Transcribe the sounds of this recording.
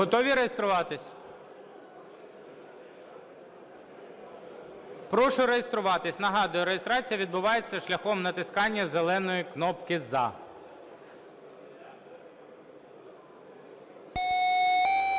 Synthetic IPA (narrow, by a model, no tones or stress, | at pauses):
ɦɔt̪ɔʋʲiɾejest̪ɾʊʋɑt̪ɪsʲ | pɾɔʃʊɾejest̪ɾʊʋɑt̪ɪsʲnɐɦɑd̪ʊjʊɾejest̪ɾɑt͡sʲijɐʋʲid̪̚bʊʋɑjet͡sʲːɐʃlʲɐxɔmnɐt̪ɪskɑnʲːɐzelˠɛnɔjiknɔpkɪzɑ̰